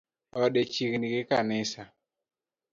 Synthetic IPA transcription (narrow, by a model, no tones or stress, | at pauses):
ɔɗet͡ʃikinɡɪkanɪsa